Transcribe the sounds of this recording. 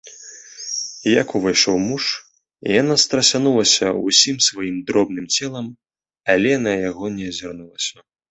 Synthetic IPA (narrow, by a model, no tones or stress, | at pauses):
jakuvajʂɔwmuʂ | ijanast̪ɾɐsʲanulˠɐsʲɐṵsʲimsvajimd̪ɾɔb̚n̪ɨmt͡sʲɛlˠɐm | ɐlʲɛnɐjaɣɔnʲɛzʲarnulˠɐsʲɐ